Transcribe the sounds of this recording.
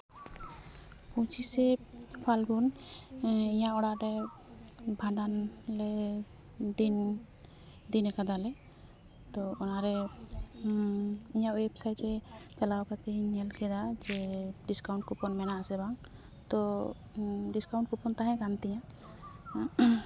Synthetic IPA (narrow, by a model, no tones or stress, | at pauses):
put͡ʃisɛpʰalɡun | iɲaʔɔɽaʔɾɛ | bʱaɖanlɛ | d̪in | d̪inɛkad̪alɛ | t̪ɔɔnaɾɛ | iɲaʔwebsajʈɾɛt͡ʃalawkat̪ɛiɲɛlkɛd̪ad͡ʒɛɖiskawɳʈ̚kupɔnmɛnaʔasɛbaŋ | t̪ɔ | ɖiskawɳʈ̚kupɔnt̪aɦɛ̃kant̪ɛja